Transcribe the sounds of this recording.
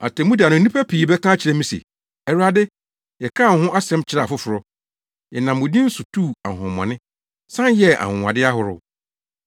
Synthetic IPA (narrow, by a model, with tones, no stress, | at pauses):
a̰˨tʰɛ˨mũ˦di˨a˨nʊ̃˨˦ĩ˦pʰa˦pʰi˨bɛ˦kʰã˦t͡ɕʰɪ˨ɾɛ˦mĩ˦sḛ˨ | ɛ˨ɾa˨dɪ˦ | jɛ˨kʰã˦˨n̩˨hʊ̃˦ʔa˦sɛ̃˦mt͡ɕʰɪ˨ɾa˨fʊ˦fʊ˨ɾɔ˦ | jɛ˨nã˨mːʊ̃˨dĩ˦n̩˦sʊ˨tʰu˦˨a̰˨ʊ̃˨mɔ̰̃˨nɪ̃˦ | sã˦n˦jɛ˦a̰˨hʊ̃˨wa̰˨dɪ˦a˦ɦʊ˨ɾʊ̰˨